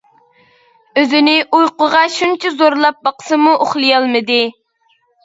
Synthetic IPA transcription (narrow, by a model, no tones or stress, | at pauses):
øzɪnɪʔujqʊʁɑʃunt͡ʃʰizoɾlˠɑp̚bɑqə̥sɨmuʔoχlˠɨjɑlˠmɨd̪ɪ